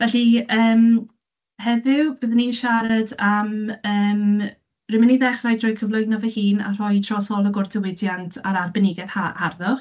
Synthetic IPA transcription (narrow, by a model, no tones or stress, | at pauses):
vɛɬiəːm | hɛðɪwbɨðəninʃaɾadaməːm | rɪməniðɛχrajdrɔjkʰəvlˠʊjnɔvəhiːna̰r̥ɔjtʰrɔsɔlˠəɡʊrdəwɪdjantʰaɾarbɛnɪɡɛðaharðʊχ